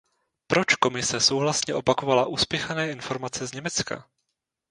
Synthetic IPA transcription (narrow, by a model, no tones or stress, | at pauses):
pɾo̞t͡ʃko̞mɪsɛso̞wɦlasɲɛʔo̞pako̞valaʔuːspjɛxanɛːʔɪnfo̞ɾmat͡sɛzɲɛmɛt͡ska̰